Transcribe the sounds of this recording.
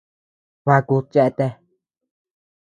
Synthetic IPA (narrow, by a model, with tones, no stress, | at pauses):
βa˧ku˧t͡ʃe˧ʔt̪e˧